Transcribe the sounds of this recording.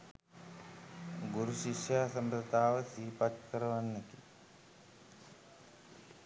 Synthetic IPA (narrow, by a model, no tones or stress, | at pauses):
ɡuɾuɕiʃjaːsəmpɾət̪aːʋəsiːpat̪kəɾəʋanːeki